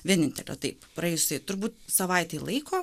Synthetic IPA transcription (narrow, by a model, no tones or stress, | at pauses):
ʋʲiɛnʲɪnʲt̪ʲɛ̰lʲo̰ːt̪ɐɪpprɐɛɪjssɐɪt̪ʊrbuːt̪sɐʋɐɪt̪ʲeɪlˠɐɪkoː